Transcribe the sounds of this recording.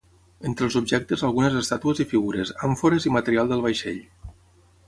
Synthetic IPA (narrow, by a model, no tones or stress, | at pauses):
ent̪ɾəlˠzubʒɛk̚t̪ezalˠɣunezəst̪at̪uezifiɣuɾezaɱfoɾezimat̪əɾialˠd̪əlˠβajʃḛʎ